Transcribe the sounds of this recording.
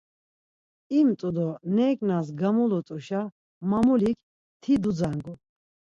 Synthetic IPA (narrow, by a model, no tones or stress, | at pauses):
imt̪ʼud̪ɔnɛːkʼnas̬ɡamulɔt̪ʼuʃa | mamulikʰ | t̪ʰid̪ud͡zaŋɡu